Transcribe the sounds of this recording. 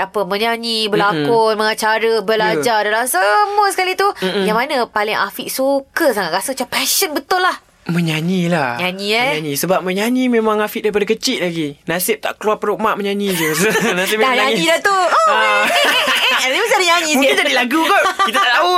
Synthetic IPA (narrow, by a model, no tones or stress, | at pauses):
apəmə̃ɲaɲibəlakʊnməŋat͡ʃaɾəbəlad͡ʒadalamsəmuəsə̥kalit̪ujaŋmanãpalɪŋa̰fiʔsukəsaŋat̪̚ɾasəŋt͡ʃapɛʃənbət̪ʊlːah | mə̃ɲaɲilahɲaɲĩɛɲaɲĩsəbap̚mə̃ɲanimẽmãŋafiʔ̚daɾipadakət͡ʃiʔ̚laɡinasɪp̚t̪a̰ʔkəluwarpəɾomaʔməɲanĩd͡ʒunasɪp̚daɲaɲĩlat̪uə | aimasɪadəɲaɲĩmkɪnd͡ʒadiʔlaɡukoit̪ataʔt̪au